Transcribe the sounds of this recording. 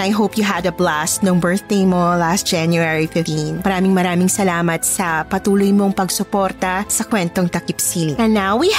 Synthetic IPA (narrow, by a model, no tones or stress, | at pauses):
ɐjɦowpjuɦɐd̪ɐblastnoŋbɛɹθ̚d̪ejmolast̪̚d͡ʒ̥anjuɛɹifɪft̪ĩnmɐɾaːmɪŋmɐɾaːmɪŋsɐlaːmɐt̪̚sɐpɐt̪uːlojmoŋpɐɡsʊpoɾt̪ɐsɐkwɛnt̪oŋt̪ɐkɪpsilɐnawi